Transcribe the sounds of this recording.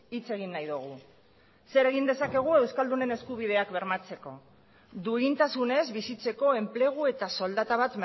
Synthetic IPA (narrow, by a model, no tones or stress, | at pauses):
it͡se̞ɣ̞inːajðuɣ̞u | se̞ɾe̞ɣind̪e̞sake̞ɣ̞ue̞wskald̪une̞ne̞skuβ̞ið̞e̞akβe̞ɾmat͡se̞ko̞ | d̪ueɣint̪asune̞zβisit͡se̞ko̞e̞mple̞ɣ̞ue̞t̪aso̞ld̪at̪aβat̪m